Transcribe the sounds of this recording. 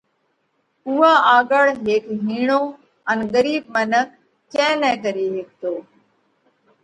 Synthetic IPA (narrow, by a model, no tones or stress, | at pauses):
uaːaːɠəɭɦeːkɦiːɳ̃oː | ənɡəɾiːb̚mənəkː | ɛ̃ːnɛ̃ːɡəɾiːɦeːk̚t̪oː